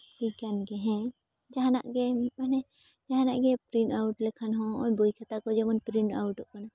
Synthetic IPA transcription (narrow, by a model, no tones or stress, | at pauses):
bukanɡɛɦɛ̃ | d͡ʒaɦanaʔɡɛmanɛ | d͡ʒaɦanaʔɡɛpɾinawʈlɛkʰanɦɔ̃ːɲbujkʰat̪akɔd͡ʒɛmɔnpɾiɳawʈɔʔkana